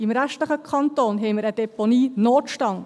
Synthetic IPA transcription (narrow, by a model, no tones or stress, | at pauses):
ɪmɾæʃtləχəkʰɑnt̪oːnɦɛɪmɪɾəd̥ɛponiːnoːtʃtɑŋ